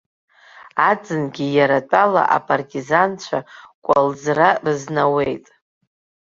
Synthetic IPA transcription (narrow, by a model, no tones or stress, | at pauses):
ad͡zʼɨnɡʲijaɾatʼala̰ʔa̰pʼartʼizant͡ɕʷʰakʷʼald͡zrarɨznawejtʼ